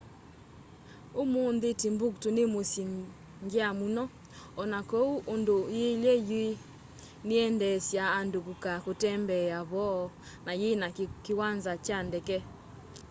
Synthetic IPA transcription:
omonðetemboktonemosi | ŋɡeamunɔ | ɔnakɔuʔondojelɛjwe | neɛndɛsjaːndokukakotɛmbɛaβɔ | najenakewanzat͡ʃandɛkɛ

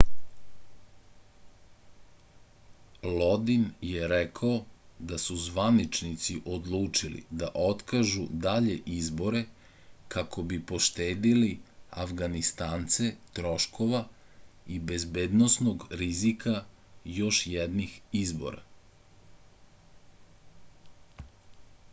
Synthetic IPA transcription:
lˠod̪injeɾɛkʰaod̪asuzʋanit͡ʃnit̪siʔo̞d̪lˠuːt͡ʃilḭd̪aʔo̞t̪kaʒud̪aʎeʔizbo̞ɾe̞ | kako̞bipo̞ʃt̪eːd̪iliafɡanist̪aːnt̪se̞t̪ɾo̞ʃko̞ʋa | ibe̞zbeːd̪nosnoɡɾizikʰa | jo̞ʃjɛd̪nixizbo̞̰ɾa̰

